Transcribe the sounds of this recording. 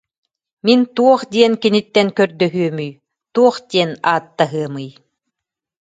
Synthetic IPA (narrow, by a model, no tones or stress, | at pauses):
mint̪uɔχd̪iɛnkinit̪ːɛnkœɾd̪œɦyœmyj | t̪uɔχd̪iɛnaːt̪ːaɦɯɐmɯj